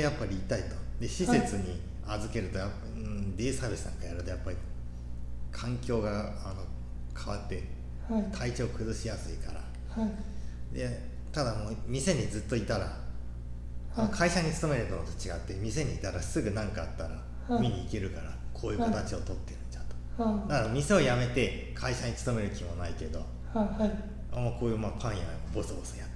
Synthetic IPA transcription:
japːaɾʲiːt̪ait̪o̞̥d̪e̞ɕise̞t͡sɨɲ̟i | azɨke̞ɾɯ̟t̪o̞japːã | d̪ʲeːsabʲisɨnã̰ŋkajaɾɯ̟t̪o̞japːaɾʲi | kʰãŋkʲo̞ːɡa | ano̞ | kʰaβat̪ːe̞ | t̪ʰait͡ɕo̞ːkɯ̟zɨɕijasɨikaɾa̰ | ha | d̪e̞ | t̪ad̪amo̞ːmʲise̞ɲ̟id͡zɨt̪ːo̞it̪aɾa̰ | akʰaiɕaɲ̟it͡sɨ̥t̪o̞meɾɯ̟t̪ont̪o̥t͡ɕiɡat̪ːe̞mʲise̞ɲ̟iːt̪aɾasɨɡɯ̟nãŋkaat̪ːaɾa | mʲiɲ̟iːke̞ɾɯ̟kaɾakʰoːjɯːkot̪at͡ɕio̞t̪o̞t̪ːe̞ɾɯ̟̃ɲt͡ɕat̪o̥ | d̪aɾamʲise̞o̞jame̞t̪e̞ | kʰaiɕaɲ̟it͡sɨ̥t̪o̞me̞ɾɯ̟kʲimo̞naike̞d̪o̞̰ | a̰mako̞ːjɯ̟ːmapʰãɰ̃ja̰ | bo̞sɨbo̞sɨ̥jat̪ː

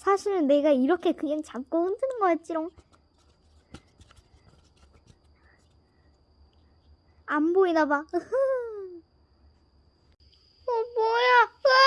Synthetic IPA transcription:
sʰaɕʰiɾɯnːe̞ɡaiɾʌkʰe̞kɯŋeŋt͡ɕamk͈oɯndɯnɯnɡʌk͈at̚t͡ɕ͈iɾoŋ | amboinaba | ʌmwʌja

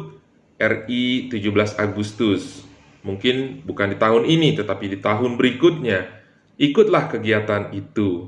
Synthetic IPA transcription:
t̪̚ | ɛrit̪ud͡ʒublasaɡust̪ʊs | muŋkɪnbukandit̪aɦʊninit̪ət̪apidit̪aɦʊnbəɾikʊt̪̚ɲa | ʔikʊt̪̚lahkəɡiat̪anit̪u

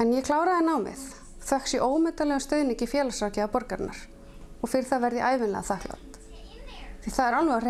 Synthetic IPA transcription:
ɛnjɛkʰlaːwɾaðɪnaːwmɪ̰θ | θvɛhksiʔoːwmɛt̪alɛːɣʏst̪œːɥðnicɪfjɛːlasawcɪapɔɾkaɾna̰ɾ̥ | ɔɣfɪɾɪɾ̥θaðvɛɾðɪʔaːjvɪnlɛ̰ɣaθahkla̰wt̪ | θiθaðɛɾalvɛɣar

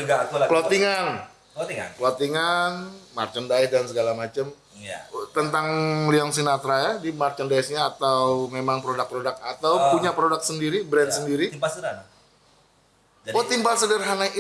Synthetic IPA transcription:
ɡapəlot̪iŋan | ŋ̰plot̪iŋanma̰rt͡ʃəndaɪhdansəɡalamat͡ʃəm | jt̪ənt̪aŋliɔŋs̬inat̪ɾajadimart͡ʃəndaɪsɲaːt̪awmemaŋpɾodak̚pɾodak̚at̪awpuɲapɾodak̚səndiɾibɾɛndsəndiɾipas | wat̪impasədərɦanai

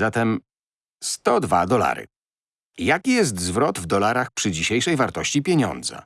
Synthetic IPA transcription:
zat̪ɛm | st̪ɔd̪va̰d̪ɔla̰ɾɘ̰ | jakʲijɛs̬t̪zvɾɔd̪vd̪ɔlaɾaxpʂɘd͡ʑiɕejʂɛjvaɾt̪ɔɕt͡ɕipʲjeɲɔ̰nd̪za̰

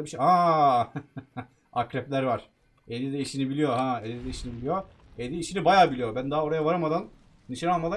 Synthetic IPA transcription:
biʃha | akɾɛplʲæɾvaɾ̥ | ed̪id̪ɛiʃinibilʲijoɦãed̪id̪ɛiʃinibilijo | ed̪iːʃinibajaːbilʲijobænd̪aɦao̞ɾajavaɾamad̪an | niʃinalˠmad̪a

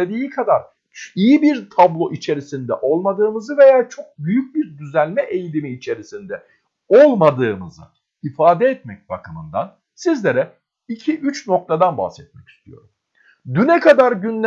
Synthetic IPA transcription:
ed̪iːikʰad̪aɾ | ijibiɾt̪ʰablˠo̞ʔit͡ʃʰe̞ɾisind̪ɛʔo̞lˠmad̪ɯːmɯzɯve̞jaːt͡ʃʰo̞k̚byjyc̚biɾd̪yzælʲmɛʔejilʲimiːt͡ʃʰe̞ɾisind̪ɛ | olˠmad̪ɯːmɯzɯ̰ | ifaːd̪ɛːt̪mɛc̚ba̰kʰɯmɯnd̪a̰n | sizlʲeɾɛ | icʰiʔyt͡ʃno̞k̚t̪ʰad̪anba̰hsɛt̪̚mɛci̥st̪ʰijo̞ɾum | d̪ynɛkʰad̪aɾɟynlʲ

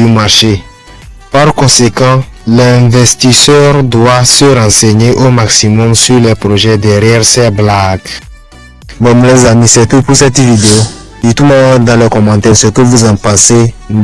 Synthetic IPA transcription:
ymaʁʃe | paɾkɔ̃sekɑ̃lɛ̃vɛst̪isœʁd̪wasəɾɑ̃seɲeʔomaksimɔmsyʁlɛpɾoʒɛd̪ɛɾjɛʁsɛblaɡ | vɔ̃mlɛzamisɛt̪upusɛt̪vid̪eo | d̪it̪umɔ̃d̪ãlɛkɔmɑ̃t̪ɛsɛkovuzãpãse

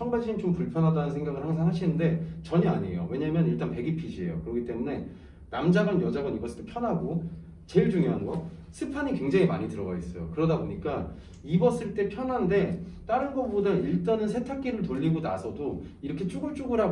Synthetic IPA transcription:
t͡ɕʰʌŋbaɕʰiɲit͡ɕompuɭpʰjʌnɦadanɯnsʰe̞ŋɡaɡɯɭɦhaŋɡʌs̬ʰaɦaɕʰinɯnde̞t͡ɕʌɲiaɲeḛjo̰we̞ɲamjʌniɭt͈anpe̞ɡipʰid͡ʑie̞̰jo̰kɯɾʌkʰit͈e̞mune̞ | namd͡ʑaɡanjʌd͡ʑaɡʌnibʌs͈ʰɯɭt͈epʰjʌnɦaɡo | t͡ɕe̞ɭd͡ʑuŋjoɦanɡʌ | sʰɯpʰaɲikwe̞ŋd͡ʑaŋimaɲitɯɾʌɡais͈ʌjo̰kɯɾʌdaboɲik͈a | ibʌs͈ɯɭt͈e̞pʰjʌnɦande̞t͈aɾɯnɡʌpodaiɭt͈anɯnsʰe̞tʰak̚k͈iɾɯɭtoʎːiɡona̰sʰʌdoiɾʌkʰe̞t͡ɕ͈uɡɯɭt͡ɕ͈uɡɯɾa

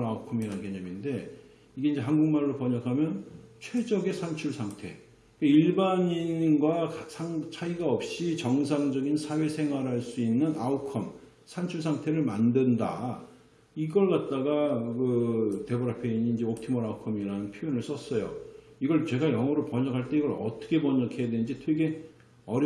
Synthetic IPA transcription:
aukʰʌmiɾankeɲʌminde̞ | iɡe̞ind͡ʑe̞ɦanɡuŋmaɭːopʌɲakʰamjʌnt͡ɕʰwe̞d͡ʑʌɡe̞sʰant͡ɕʰuɭsʰaŋtʰe̞̰ | kaiɭbaɲinɡwakasʰaŋt͡ɕʰaiɡaʌp̚ɕ͈it͡ɕʌŋs̬ʰaŋd͡ʑʌɡinsʰawe̞sʰe̞ŋɦwaɾɦaɭs͈uinːɯnaukʰʌm | sʰant͡ɕʰuɭs̬ʰaŋtʰe̞ɾɯɭmandɯnda̰ | iɡʌɭkat̚t͈aɡakɯte̞bʌɾapʰe̞iɲind͡ʑeok̚tʰimʌɾaukʰʌmiɾaɯnpʰjojonɯɭs͈ʌs͈ʌjo̰ | iɡʌɭt͡ɕe̞ɡajʌŋwʌɾɯɭpʌɲʌkʰaɭt͈e̞iɡʌɾʌt͈ʌ̥kʰe̞pʌɲʌkʰe̞jadwennd͡ʑitʰwe̞ɡe̞ | ʌɾ

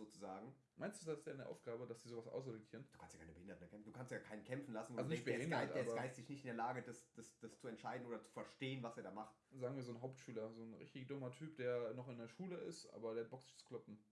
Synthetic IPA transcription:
zoːt͡suzaːɡŋ̩ | maɪnstd̥uːsdasjaːɪneɐʔa̰ʊfɡ̥aːbəd̥asd̥iːzoːvasʔa̰ʊs̬ʁedʊkʰiːɐnduːkʰanstjakʰaɪnəbəhɪndɐtnkɛmf̩duːkʰanstjaːkʰaɪnənkʰɛmfn̩lasn̩oalzonɪçbəɪnntʔaebɐɡaɪstɪçnɪçtɪndeːɐlaːɡədasd̥asd̥ast͡suɛntʃaɪdn̩oːdɐt͡su̥fɛɐʃteːənvaseːɐɾaːmaχtzaːɡŋ̩viːɐzoːnɦaʊp̚tʃyːlɐzoːnʁɪ̰çtɪçd̥ʊmɐtʰyːp̚d̥eːɐnɔχɪndeːɐʃuːləɪ̰stʔa̰ːbɐdeːhat̚b̥ɔksɪ̥çt͡su̥kʰl̥ɔpm̩

